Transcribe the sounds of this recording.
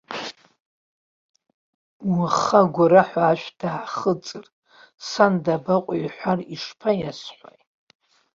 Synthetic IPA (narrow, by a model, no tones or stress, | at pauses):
waχaɡʷaɾaħʷaːʃᶣʷd̥aʕχət͡sʼɨr | sandabaqʷʼjħʷariʂpʰajasħʷa̰j